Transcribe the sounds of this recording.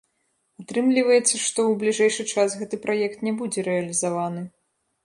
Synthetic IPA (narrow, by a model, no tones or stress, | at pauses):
at̪ɾɨmlʲivɐjɛt̪sːɐʂt̪ɔwblʲiʐɛjʂɨt͡ʂasɣɛt̪ɨpɾajɛkt̪nʲɛbud͡zʲɛɾɛɐlʲizavanɨ